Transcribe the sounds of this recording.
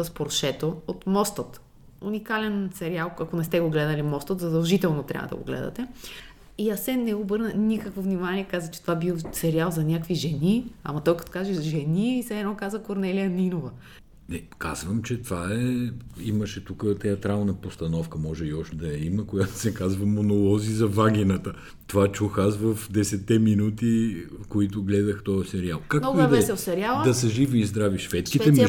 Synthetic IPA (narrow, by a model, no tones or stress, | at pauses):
ɐspoɾʃɛt̪oot̪mɔst̪ət̪ | unikalɛnsɛɾialˠɐkonɛst̪ɛɡoɡlɛd̪ɐlimɔst̪ət̪zɐd̪ɐlˠʒit̪ɛlˠnot̪ɾʲa̰vəd̪ɐ̰ɡo̰ɡlɛ̰d̪ɐ̰t̪ɛ | iasɛnɛobɤɾnənikəkvovnimaniɛkazvət͡ʃɛ̥t̪ovabilˠsɛɾialˠzɐnʲakviʒɛniɐ̰mɐt̪ɔjkɐt̪ɔ̥kaʒɛzʒɛniːsɛɛnɔkazvəkoɾnɛlijəninovə | nɛkazvəmt͡ʃɛt̪vaɛiməʃɛt̪ukət̪ɛɐt̪ɾalˠnəpost̪ɐnɔfkəmɔʒɛiɔʃt̪ɛd̪ɐjɐiməkojat̪o̥sɛkazvɐmonolˠɔzizɐvaɡʲinət̪ə | t̪ovat͡ʃuxasvəfd̪ɛsɛt̪ːɛminut̪ikoit̪ʊɡlɛd̪əxt̪ɔəsɛɾialˠkaknɔid̪ɐɛsɛlˠsɛɾialˠəd̪ɐsɐʒiviːzd̪ɾaviʃvɛt̪skʲit̪ɛm